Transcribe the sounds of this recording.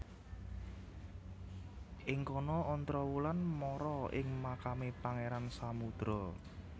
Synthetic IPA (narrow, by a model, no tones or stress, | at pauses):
ʔɪŋkɔnɔːnt̪ɾɔwulanmɔɾɔɪ̰ŋmakamepaŋeɾansamud̪̥ɾɔ